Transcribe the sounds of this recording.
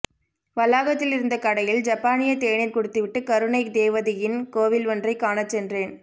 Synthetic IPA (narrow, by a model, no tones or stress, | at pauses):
ʋɐlːaːɣɐt̪ːɪlɪɾɯnd̪ɐkɐɽɐjɪld͡ʒɐpːaːnɪjɐt̪eːɳɪnkɔɽɯt̪ːɯʋɪʈːɯkɐɾɯɳɐɪk̚d̪eːʋɐðɪjɪnkoːʋɪlɔndrɐɪkːaːnɐt͡ʃːɛndreːn